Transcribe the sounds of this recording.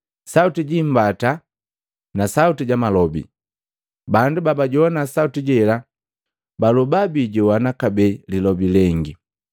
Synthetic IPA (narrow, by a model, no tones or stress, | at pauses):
sautiɟim̩bata | nasautiɟamalɔbḭ | bandubabaɟɔɔnasautiɟɛla | balubabiɟɛwanakabɛlilɔbilɛŋɡi